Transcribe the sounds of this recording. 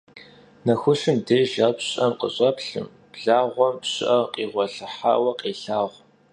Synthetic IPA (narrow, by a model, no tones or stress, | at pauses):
nɐxʷʊɕɨmdeːʒɐpɕʼɐmqʼə̰ɕʼɐpɬɨ̰m | b̥ɮaːʁʷɔmpɕʼɪ̰ʔɐqʼiːʁʷɔɬɨħa̰ːwɐqʼeːɬaːʁʷ